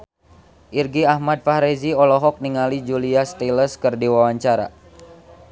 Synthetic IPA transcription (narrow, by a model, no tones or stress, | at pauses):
ʔirɡiahmad̪̚faɾeziɔlɔɦɔk̚niŋalid͡ʒuliast̪iləskərdiwawaɲt͡ʃaɾa̰